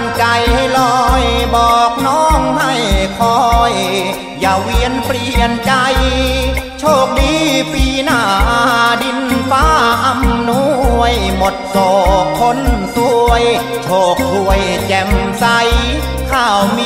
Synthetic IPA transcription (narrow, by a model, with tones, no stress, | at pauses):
nt͡ɕa˧jlɔː˧jbɔː˨˩k̚nɔː˧˥˩ŋha˧˩jkʰɔ˧˥j | jaː˨˩wi˧˥ənpɾi˧˩ənt͡ɕa˧j | t͡ɕʰoː˥˩k̚diː˧˦piː˧naː˧˩ʔdi˧nfaː˧˥ʔa˧˩mnu˧˥˧əjmo˨˩t̪̚soː˨˩kʰːo˧˥nt̪u˧əj | t͡ɕʰoː˧˩k̚t̪u˧əjt͡ɕɛ˧msa˧˥j | kʰaː˧˩wmi˧